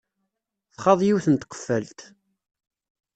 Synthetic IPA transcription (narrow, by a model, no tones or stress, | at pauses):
θχɑðˤjiwθənt̪qːə̥fːælt̪